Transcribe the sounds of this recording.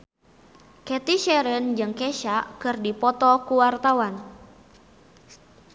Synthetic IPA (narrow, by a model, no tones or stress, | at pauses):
kɛt̪iʃɛɾənd͡ʒɨŋkeʃakɨrdipɔt̪ɔkuwart̪awan